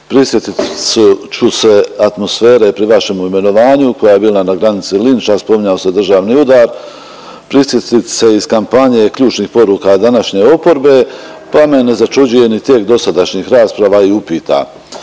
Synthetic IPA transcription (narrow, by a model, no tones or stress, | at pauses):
pɾisje̞t̪it̪sut͡ʃuse̞at̪mo̞sfe̞ːɾe̞pɾiʋaʃe̞muime̞no̞ʋaːɲuko̞jaːje̞biːlanaɡɾanit̪silint͡ʃaspo̞miɲaose̞d̪r̩ʒaːʋniud̪aːɾ | pɾisje̞t̪it̪se̞iz̥kampaɲe̞kʎuːt͡ʃniːxpo̞ɾuːkad̪anaʃɲe̞o̞po̞ɾbe̞ | pame̞ne̞zat͡ʃud͡ʒuje̞nit̪je̞kd̪o̞sad̪aʃɲixɾaːspɾaʋaiupiːt̪a̰